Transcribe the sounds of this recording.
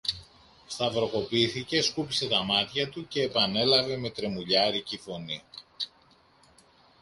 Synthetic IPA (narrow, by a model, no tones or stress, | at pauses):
st̪ɐvɾo̞ko̞piθice̞skupise̞t̪ɐmɐt̪çɐt̪uce̞ːpɐne̞lɐve̞me̞t̪ɾe̞muʎɐɾicifo̞ni